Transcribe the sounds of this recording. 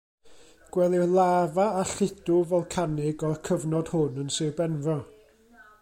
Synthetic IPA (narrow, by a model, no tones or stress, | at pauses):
ɡ̥wɛlˠɪwlˠaːvaːɬɪd̥ʊvɔlˠkʰanɪɡɔrkʰəvnɔd̥hʊnənsɪbɛnvɔ